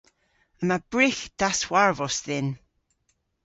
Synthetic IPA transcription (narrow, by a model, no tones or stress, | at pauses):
əmab̥ɹɪxd̥aswaɹvɔsðɪn